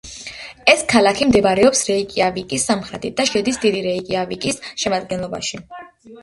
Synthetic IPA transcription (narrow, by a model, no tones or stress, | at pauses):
ɛskʰalakʰimd̪ɛbɾɛɔpsɾɛikʼiavikʼisːamχɾɛt̪ʰit̪̚d̪aʃɛd̪isd̪id̪iɾɛikʼiavikʼisʃɛmad̪̚ɡɛnlˠɔba̰ʃi